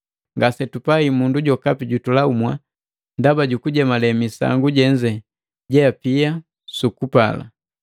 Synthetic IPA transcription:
ŋɡasɛtupaimunduɟɔkapiɟutulaumwa̰ | ndabaɟukuɟɛmalɛmisa̰ŋɡuɟɛɲd͡ʒɛ | ɟɛapia | sukupa̰la̰

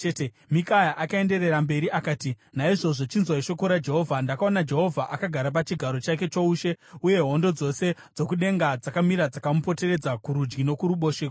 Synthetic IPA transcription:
t͡ʃete | mikajaʔakae̞nde̞ɾe̞rambe̞ɾiʔakaːti | naiʐo̞ʐo̞t͡ʃinzwaiʃo̞ko̞ɾad͡ʒe̞ɦo̞vʱandakao̞nad͡ʒe̞ɦo̞vʱaʔakaɡʱaɾap̬at͡ʃiɡʱaɾo̞t͡ʃake̞t͡ʃouʃe̞uje̞ɦo̞ndo̞d͡zo̞se̞d͡zo̞kuɗe̞ŋɡad͡zakamiɾad͡zakamupo̞te̞ɾe̞d͡zakuɾud͡ʒɡino̞kuɾuɓo̞ːʃek

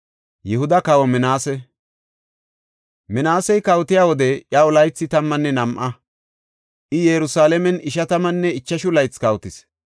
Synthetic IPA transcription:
jɛhʊd̪ɐkɐwɔmɛnaːsɛ | mɛnaːsɛjkɐwt̪ɪjaːwɔd̪ɛʔjɐwʊlɐjt͡sːɪt̪ɐmːɐnːɛnɐmʔɐ | ʔɪjɛɾʊsaːlɛmɛnɪʃɐt̪ɐmɐnːɛɪt͡ʃːɐʃʊlɐjt͡skɐwt̪ɪs

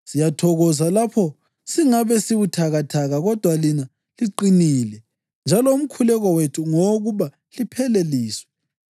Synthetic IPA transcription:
sijatʰɔɣɔzalapʰɔ | siŋaβɛsiβutʰaɣatʰaɣaɣɔd̥ʱwalina | liǃinilɛ | nd͡ʒʱalɔum̩kʰulɛɣɔwetʰuŋoɣuβa | lipʰɛleliːswɛ

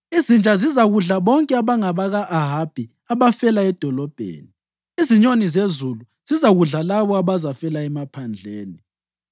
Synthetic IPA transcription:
izint͡ʃʼazizaɣuɮaβɔŋkʼɛaβaŋaβaɣaʔaɦab̥ʱi | aβafɛlaɛd̥ʱɔlɔb̥ʱḛːni | iziɲonizezulu | z̥izaɣuɮalaβɔaβazafɛlaɛmapʰand͡ɮʱḛːni

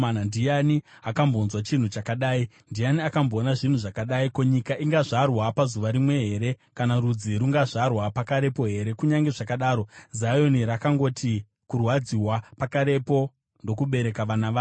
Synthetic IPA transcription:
anandijaniakamboːnzwat͡ʃin̤ut͡ʃakaɗaːi | ndijaniakambo̞ːnaʐin̤uʐakaɗaikoɲikaʔiŋɡaʐarwapazuʋaɾimwe̞ɦe̞ɾe̞ | kanarud͡ziɾuŋɡaʐarwapakaɾe̞po̞ɦe̞ɾe̞kuɲaŋɡe̞ʐakaɗaːɾo̞zajo̞niɾakaŋɡo̞tʰi | kurwad͡ziwapakaɾe̞po̞ | ndo̞kuɓe̞ɾe̞kaʋanaʋaː

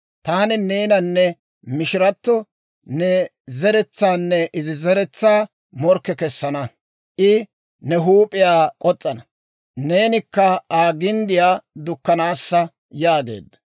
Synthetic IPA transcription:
t̪aːnɪne̞ːnɐnːɛ | mɪʃɪɾɐt̪ːɔ | nɛ | zɛɾɛt͡sːaːnːɛʔɪzɪzɛɾɛt͡sːaː | mɔɾkːɛkɛsːɐnɐ | ʔɪ | nɛɦuːpʼɪjaːkʼɔt͡sʼːɐnɐ | ne̞ːnɪkːɐaːɡɪnd̪ɪjaːd̪ʊkːɐnaːsːɐ | jaːɡe̞̰ːd̪ːɐ̥

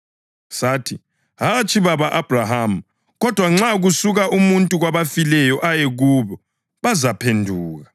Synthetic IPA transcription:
saːtʰi | ɦat͡ʃʰʼiβaβaʔab̥ʱraɦam̩ | ɣɔd̥ʱwaŋ͡ǁaɣusuɣaʔumuntʼuɣwaβafilɛjɔʔajeɣuβɔ | βazapʰendʱuːɣa

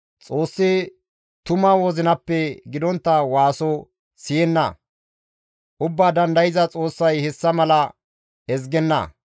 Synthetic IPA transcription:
t͡sʼo̞ːsːɛ | t̪ʊmawɔzɪnɐpːɛɡɪd̪ɔnt̪ːɐwaːsɔ | sɪjɛnːɐ̰ | ʔʊbːaːd̪ɐnd̪ɐjɪzɐt͡sʼo̞ːsːɐjhɛsːɐmɐlɐ | ɛz̬ɡɛnːɐ̰

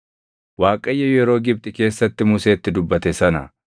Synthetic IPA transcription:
waːkʼɐjːɐjɛɾo̞ːɡɪb̚t̪ʼɪke̞ːsːɐt̪ːɪmʊse̞ːt̪ːɪd̪ʊbːɐt̪ɛsɐnɐ̰

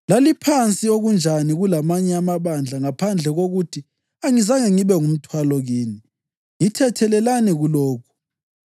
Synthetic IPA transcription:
lalipʰant͡sʼioɣund͡ʒʱaniɣulamaɲɛamaβand͡ɮʱaŋapʰand͡ɮʱɛɣoɣutʰi | aŋizaŋɛŋiβɛŋum̩tʰwalɔɣiːni | ŋitʰɛtʰɛlɛlaniɣulɔːkʰu̥

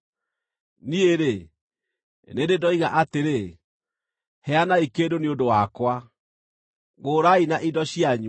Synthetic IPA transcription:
nieɾe | nededɔiɣaʔateɾe | hɛanaikeːdoneodowakwa | ɣoːɾainaʔidɔɕijaɲ

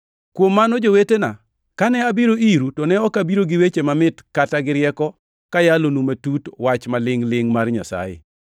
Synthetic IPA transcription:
kwomːanɔd͡ʒowetena̰ | kanɛabiɾoiɾutɔnɛɔkabiɾoɡɪwet͡ʃemamɪtkataɡɪɾjɛkɔ | kajalonumatutwat͡ʃmalɪŋlɪŋmarɲa̰sa̰jḛ

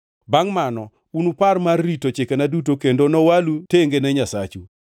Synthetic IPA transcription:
baŋmanɔ | unuparmarːitot͡ʃekenadutokendonɔwaluteŋɡenɛɲasat͡ʃu

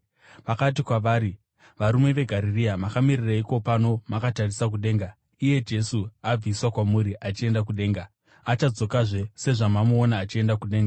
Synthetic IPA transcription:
ʋakat̬ikwaʋaːɾi | ʋaɾume̞ʋe̞ɡʱaɾiriamakamiriraiko̞pano̞makatarisak̬uɗe̞ːŋɡa | ije̞d͡ʒe̞suab͡viswakwamuɾiʔat͡ʃie̞ndak̬uɗe̞ːŋɡa | at͡ʃad͡zo̞kaʐe̞se̞ʐamamuːnaːt͡ʃie̞ndakuɗe̞ːŋɡa

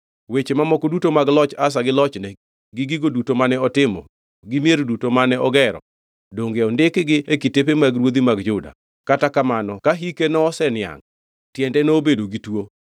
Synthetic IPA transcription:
wet͡ʃemamɔkodutomaɡlɔt͡ʃas̬aɡɪlɔt͡ʃnɛ | ɡɪɡiɡodutomanɛɔtɪmɔ̰ | ɡɪmjeɾdutomanɛɔɡɛɾɔ̰ | doŋɡeɔndɪkɡɪekitep̬emaɡɾwod̪imaɡd͡ʒʊda̰ | katakamanɔkaɦikenɔːsɛnɪa̰ŋ | tjɛndɛnoːbedoɡitwo

